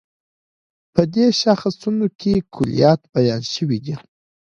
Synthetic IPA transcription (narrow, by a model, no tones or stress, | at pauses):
pəd̪eʃaxasunokʰʲekʰʊlḭjɑt̪bajɑnʃəwid̪i